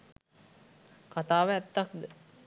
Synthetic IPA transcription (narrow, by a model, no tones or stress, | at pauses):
kat̪aːʋəæt̪ːakd̪ə